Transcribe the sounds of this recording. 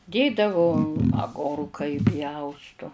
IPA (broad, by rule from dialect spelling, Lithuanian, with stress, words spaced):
ˈdʲeːdɐʋʊ ɐˈɡoːrkɐ ɪˈpʲjɛʊstʊ